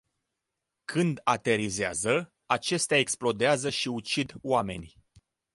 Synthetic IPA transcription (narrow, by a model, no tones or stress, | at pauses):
kʰɨnd̪at̪e̞ɾizea̰zə | at͡ʃe̞st̪eae̞ksplo̞d̪eazəʃiut͡ʃid̪oame̞̰nʲ